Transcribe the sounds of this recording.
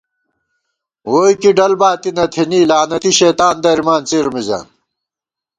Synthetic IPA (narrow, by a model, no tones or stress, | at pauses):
woːjkiɖɐlbaːt̪inɐt̪ʰeniːlaːnɐt̪iɕeːt̪aːnd̪ɐɾimaːnt͡siɾmiza̰ːn